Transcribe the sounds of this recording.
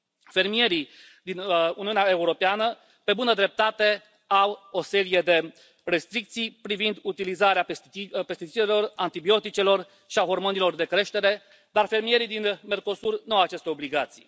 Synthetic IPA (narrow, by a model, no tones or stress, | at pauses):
fe̞rmije̞ɾi | d̪inuniuneae̞uɾo̞peanə | pe̞bunəd̪ɾe̞p̚t̪at̪e̞ | awo̞se̞ɾije̞d̪e̞ | re̞st̪ɾik̚t̪sijpɾivind̪ut̪ilizaɾeape̞st̪it͡ʃilelo̞rant̪ibio̞t̪it͡ʃe̞lo̞r | ʃiaɦo̞rmo̞nilo̞rd̪e̞kɾe̞ʃt̪e̞ɾe̞ | d̪arfe̞rmije̞ɾijd̪inme̞rko̞surnuawat͡ʃe̞st̪eo̞bliɡat̪sḭj